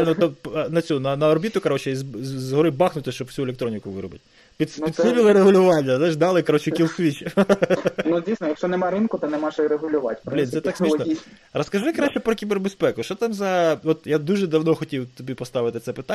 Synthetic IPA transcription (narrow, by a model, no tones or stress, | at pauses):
nɔt̪ɔpnɐt͡sʲunɐnɐɔɾbʲit̪ʊkɐɾot͡ʃɛzzɦɔɾɪbɑxnʊt̪ɪʃt͡ʃɔbwsʲuelʲekt̪ɾonʲikʊʋɪ̰ɾɔbɪ̰t̚ʲ | pʲispid̪sɪbʲilˠɪɾeɦʊlʲʊʋɑnʲːɐzajʃd̪ɑlˠɪkɐɾot͡ʃɪkʲilˠsʋʲit͡ʃɪ | nudʲijsʲnɔjɐkʃt͡ʃɔnɛmaɾɪnkʊt̪ɪnɛmaʃɾeɦʊlʲʊʋatʲpblʲinsɛt̪ɑksʲmisnɔ | rɐskɐʒɪkɾaʃt͡ʃːɛpɾɔkʲiberbespɛkʊʃt͡ʃɔt̪ɑmzɐɔt̪jad̪uʒɛd̪ɐwnɔxɔtʲiwt̪ɔbʲipɔst̪ɑʋɪt̪ɪt̪sɛpɪt̪a